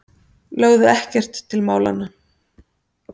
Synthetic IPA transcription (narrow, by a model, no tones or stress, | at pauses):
lœːɣðʏɛhcɛr̥t̪ʰːɪlmaːwla̰nːa